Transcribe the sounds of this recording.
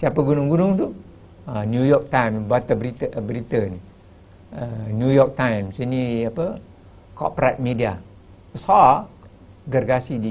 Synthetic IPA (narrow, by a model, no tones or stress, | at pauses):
siapəɡunʊŋɡunʊŋt̪u | anjujɔk̚t̪ajmsbat̪abɾit̪əbəɾit̪əni | ənjujɔk̚t̪ajmsiniapə | kɔ̰pɾat̪̚midia | saa | ɡərɡasidi